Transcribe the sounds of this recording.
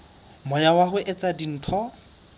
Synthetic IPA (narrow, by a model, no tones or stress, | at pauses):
mɔjawaɦʊʔɪt͡sʼadin̩ːtʰɔ